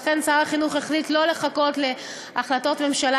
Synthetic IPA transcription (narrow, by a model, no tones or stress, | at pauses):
fent͡saʁaχinuχeχlitlo̞le̞χako̞tle̞ | aχlato̞tme̞mʃala